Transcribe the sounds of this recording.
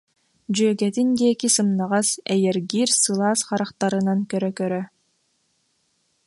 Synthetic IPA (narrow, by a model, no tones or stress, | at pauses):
d͡ʑyœɡɛt̪ind̪iɛkisɯmnaʁasɛjɛɾɡiːɾsɯlˠaːsχaɾaχt̪aɾɯnankœɾœkœɾœ